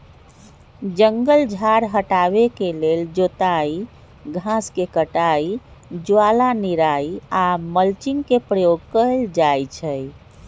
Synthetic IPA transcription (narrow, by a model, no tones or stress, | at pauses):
d͡ʒəŋɡəld͡ʒʱaɾɦəʈaβekeleld͡ʒot̪ai | ɡʱãskekəʈaid͡ʒualaniɾaiaməlt͡ʃiŋkepɾəjoɡ̚kəld͡ʒajt͡ʃʰəj